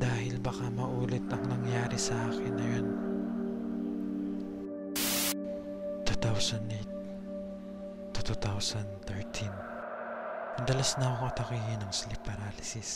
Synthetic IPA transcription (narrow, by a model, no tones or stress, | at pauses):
d̪aːɦɪlbɐkamɐʔuːlɛt̪ʔɐŋnɐŋjaːɾɪsɐʔaːkɪnːɐjo̞n | t̪ut̪awsɐnd̪et̪ | ut̪ut̪awsɐnd̪t̪ɛɹt̪ʰin | ɐnd̪ɐlasnɐoŋʔɐt̪ɐkiːhɪnɐŋslɪpːɐɾalɪsɪs